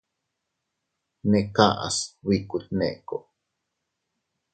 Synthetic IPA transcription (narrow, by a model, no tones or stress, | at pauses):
neʔkaʔa̰swikut̪̚nḛʔko